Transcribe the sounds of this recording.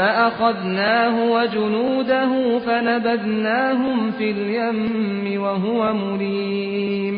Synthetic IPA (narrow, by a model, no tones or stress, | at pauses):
aʔaxɑðnaːɦʊwad͡ʒʊnuːd̪aɦʊfanabad̪naːɦʊmfiljamː | ɪwaɦʊwamʊɾiː | m